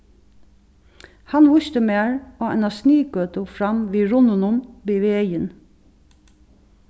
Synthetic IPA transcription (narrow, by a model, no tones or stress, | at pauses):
hɑnʋʊʃt̪əmeːɹoːɛnɑsniːkøːt̪ʊfɹɑmʋiːɹʊnʊnʊnbeːʋeːœjən